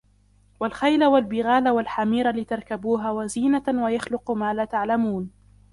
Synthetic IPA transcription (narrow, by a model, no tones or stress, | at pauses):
walxajlawalbɪɣaːlawalħamiːɾalɪt̪aɾˤkabuːɦaːwaziːnawajaxlʊqmaːlaːt̪aʕlamuːn